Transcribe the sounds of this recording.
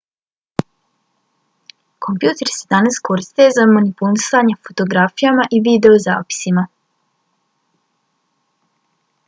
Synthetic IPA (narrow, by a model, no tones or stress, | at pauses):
ko̞mpjuːt̪eɾsed̪anasko̞ɾist̪ejezamonipulisaɲe̞fot̪o̞ɡɾafijamaʔiʋid̪e̞oza̰ːpi̥sima